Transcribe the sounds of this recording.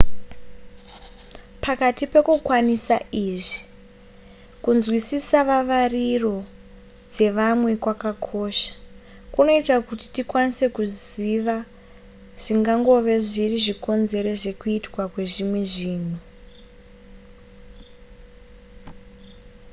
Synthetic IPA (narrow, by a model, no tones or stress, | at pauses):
pʰakatipe̞kukwanisaiʐi | kunzwisisaʋaʋariro̞ | d͡ze̞ʋamwe̞kwakakʰo̞ʃḁ | kuno̞itakuti̥tikwanise̞kuziʋa | ʐ̥iŋɡaŋɡo̞ʋe̞ʐiriʐiko̞nze̞ɾe̞ʐe̞kuitwakwe̞ʐimwe̞ʐiːn̤u